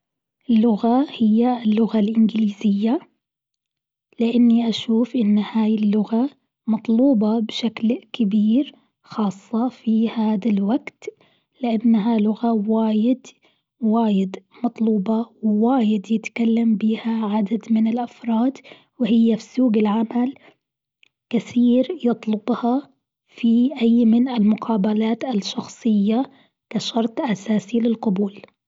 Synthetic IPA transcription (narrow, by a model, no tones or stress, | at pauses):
ɪlːʊɣahɪjːalːʊɣalʔɪnɡliːzɪjːa | lɪʔanːiʔaʃuːfʔɪnːhaːjɪlːʊɣa | mɑt̪ˤluːbɑbɪʃaklkɪbiːɾ | xɑːsˤːɑfihaːd̪alwaɡt̪ | lɪʔanːaɦalʊɣawaːjɪd̪ | waːjɪd̪mɑt̪ˤluːbɑwɪwaːjɪd̪jɪt̪kalːambiːhaʕad̪ad̪mɪnɪlʔafɾˤɑːd̪ | wɪhɪjːafisuːɡɪlʕamal | kɪθiːɾjɨt̪ˤlʊbhɑ | fiʔajːmɪnɪlmʊqʰɑːbalaːt̪alʃɑxsˤɨjːa | kaʃɑɾˤt̪ˤʔasaːsilɪlqʊbuːl